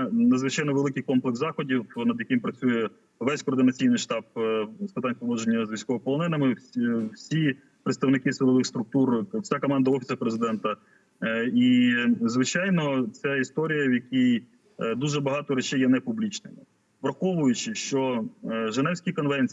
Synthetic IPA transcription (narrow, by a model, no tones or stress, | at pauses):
nɐd̪zʋɪt͡ʃɑjnɔʋelˠɪkɨjkɔmplˠekzɑxɔdʲiwnɐd̪jɐkɪmpɾɐt͡sʲujɛ | ʋɛsʲkɔːrd̪ɪnɐt͡sʲijnɪjʃt̪ɑp̚spɪt̪ɑnʲpɔʋˠɔd͡ʒenʲːɐzʋʲisʲkɔɦɔpɔlˠɔnɛnɐmɪwsʲi | pɾet̪st̪ɐwnɪkɪsʋɪlˠɔʋɪxst̪ɾʊk̚t̪urwsʲakɔmɑnd̪ɐɔfʲi̥sɐpɾezɪd̪ɛnt̪ɐ | izʋɪt͡ʃɑjnɔt͡sʲaist̪ɔɾʲijɐwjɐkʲij | d̪uʒɛbɐɦɑt̪ɔɾɛt͡ʃɛjːɛnɛpublʲit͡ʃnɪmɪ̰ | ʋɾɐxɔʋʊjʊt͡ʃɪʃt͡ʃɔʒenɛwsʲkʲikɔnʋɛnʲt͡sʲ